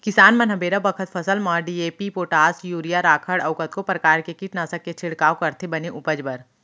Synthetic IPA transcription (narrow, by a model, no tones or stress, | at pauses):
kɪsaːnmɐnɦɐbeːɾabɐkʰət̪fʰɐsəlmɔːɾɖieːpipoːʈaːsjuːɾijaɾaːkʰəɽɐʋkət̪kopɾɐkaːɾkekiːʈnasɐkːet͡ʃʰɪɽkaːokɐɾt̪ʰebɐneʔʊpəd͡ʒbəɾ